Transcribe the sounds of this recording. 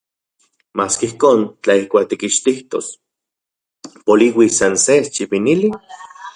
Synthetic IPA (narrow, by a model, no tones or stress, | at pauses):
maːskihkoːnt͡ɬaihkʷaːk̚t̪ikiʃt̪iht̪o̰s | poliwisansest͡ʃipinili